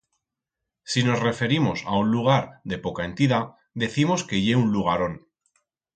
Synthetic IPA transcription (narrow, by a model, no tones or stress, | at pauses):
sino̞sre̞fe̞ɾimo̞sa̰unluɣ̞aɾðe̞po̞kae̞nt̪iða | ðe̞θimo̞ske̞ʝe̞unluɣ̞aɾo̞n